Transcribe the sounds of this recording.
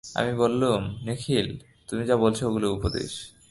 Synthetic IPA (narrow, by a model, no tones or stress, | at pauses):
a̰mibolːumnekʰil | t̪umid͡ʑabolt͡ɕʰooɡuloupod̪ḛʃ